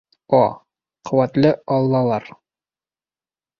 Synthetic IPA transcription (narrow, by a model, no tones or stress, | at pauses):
ɒ | qʰŏwæt̪lɘɒlˠːɑlˠɑɾ